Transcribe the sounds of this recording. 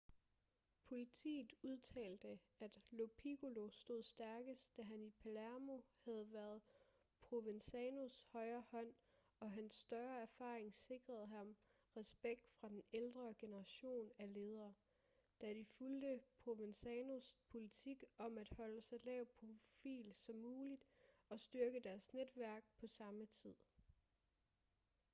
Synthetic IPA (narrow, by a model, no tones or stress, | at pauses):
pʰo̝lit͡sʰḭːð̩ˠuðˠt͡sʰɛ̰ːld̥əæd̥lo̝pʰiɡ̥olo̝sd̥o̝ð̰ˠsd̥æɐɡ̥əsd̥æɦænipʰælæɐmo̝hæð̞̩ˠʋæːɐð̞ˠ | pʰʁoʋensɛno̝shɒ̽ɪɐhɒ̽n̰ | ɒ̽ɦænsːd̥ɶɐæɐfɑ̈ːʁeŋse̝ɡ̥ʁɐð̞̩ˠɦɑ̈m | ʁɛsb̥eɡ̥̚d̥fʁɑ̈d̥eneld̥ʁɐɡ̥e̝nəʁɑ̈ɕo̝̰ːnæle̝ːð̞ˠɐː | d̥æd̥ifuld̥əpʰʁo̝ʋensɛno̝spʰo̝lit͡sʰiɡ̥ɒ̽mæd̥hɒ̽ləsɑ̈ɪlɛːʊ̰pʰʁo̝fḭːlsɒ̽mːuːlid̥ɒ̽sd̥yɐɡ̥əd̥æɐsned̥ʋæɐ̰ɡ̥̚pʰɒ̽sɑ̈mət͡sʰið̰ˠ